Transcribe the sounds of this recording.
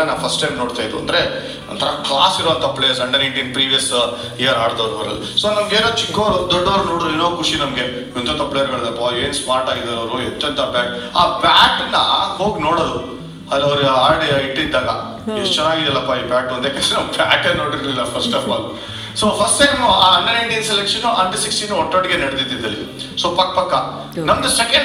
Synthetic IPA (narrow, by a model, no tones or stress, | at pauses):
enaːʋpʰɐsʈɐjmno̞ːɽt̪aːjd̪uɐ̰nd̪ɐɾe̞ | ɐnt̪ʰɐɾɐklaːsiɾʋɐnt̪ʰɐpːleːsɐɳɖɐɾiɳɖjɐnpɾiːʋijɐs | ejɐɾaːɽd̪ɐʋɾubɐɾɐlːisoːnɐmɡeːnoːt͡ʃikːoɾud̪ɔɖːɐʋɐɾunoːɽod̪uinoːkʰuʂinɐmɡe | int̪ot̪ɐpːleɐɾɡɐɭɐd̪ɐpːaɾeːnsmaːɾʈaːɡid̪ɐɾɐʋɾuɦet̪ːɐnt̪ʰɐbaːʈaːpaːʈnːɐho̞ːɡno̞ːɽod̪u | ɐɐʋɾaːɖeiʈːid̪ːaːɡɐ | et͡ʃɛnːaːɡid̪ɐlːɐpːaiːpaːʈɐnd̪ekesenɐmpaːʈenoːɽiɾlilːɐpʰɐɾsʈɐfa̰ːl | soːpʰɐɾsʈɐjmaːɐnːɐnɐjɳɖiɐnselekʂɐnuʔɐnʈsiksʈinuɔʈːoːɽɡenɐɽd̪id̪id̪ɐli | soːpɐkːɐpɐkːɐ | nɐmɐɡɐsekɐɳ